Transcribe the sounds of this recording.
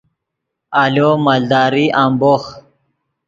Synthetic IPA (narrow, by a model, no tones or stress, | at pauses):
alomald̪aːɾiʔambox